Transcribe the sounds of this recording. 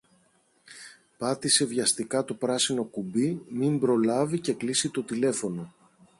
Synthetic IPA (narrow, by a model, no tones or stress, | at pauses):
pɐt̪ise̞vʝɐst̪ikɐt̪o̞pɾɐsino̞kubimimbɾo̞lɐvice̞klisit̪o̞t̪ile̞fo̞no̞